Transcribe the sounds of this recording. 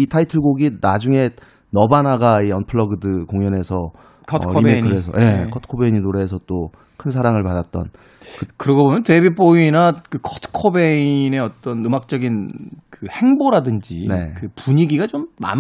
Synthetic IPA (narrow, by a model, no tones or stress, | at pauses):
itʰaitʰɯɭɡoɡinad͡ʑuŋe̞ | nʌbanaɡaiʌnpʰɯɭʌɡɯdɯkoŋjʌne̞sʰʌ | imekʰɯɾesʰʌje̞kʰʌtʰɯ̥kʰobeiɲinoɾe̞ːsʰʌt͈o | kʰɯns̬ʰaɾaŋɯɭpadat̚t͈ʌ̰n | kɯkɯɾʌɡʌbomjʌntebip͈oinakɯkʰʌtʰɯ̥kʰobeine̞ʌt͈ʌnɯmak̚t͡ɕ͈ʌɡinkɯhe̞ŋboɾadɯnd͡ʑḭne̞kɯpuɲiɡiɡat͡ɕomːa̰m